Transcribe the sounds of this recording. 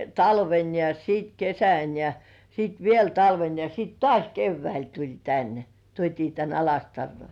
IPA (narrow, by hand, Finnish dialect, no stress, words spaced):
tɑlʋen jɑ siːt kesæn jɑ siːt ʋiel tɑlʋen jɑ siːt tŏɑˑsʲ keʋːæil tulʲ tæn tuotʲiː tæn ɑlɑstɑrːoi